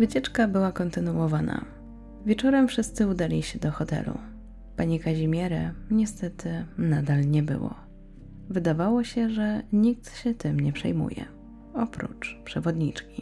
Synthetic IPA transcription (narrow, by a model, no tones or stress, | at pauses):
vɘt͡ɕɛt͡ʂkabɘwakɔnt̪ɘnuwɔvana̰ | vʲjɛt͡ʂɔɾɛmfʂɘst̪sɘud̪alʲiɕɛd̪ɔxɔt̪ɛ̰lṵ | paɲikaʑimʲjɛɾɛɲɛst̪ɛt̪ɘnad̪alɲɛbɘ̰wɔ̰ | vɘd̪avawɔɕɛʐɛɲik̚t̪ɕɛt̪ɘmɲɛpʂɛ̰jmṵjɛ̰ | ɔpɾṵt͡ʂpʂɛvɔd̪ɲit͡ʂkʲi